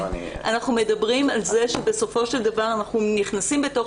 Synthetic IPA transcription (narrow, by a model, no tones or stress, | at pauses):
ʔa̰naχnume̞dabʁimalzeʃebe̞so̞fo̞ʃe̞ld̪avaʁanaχnuniχnasimbeto̞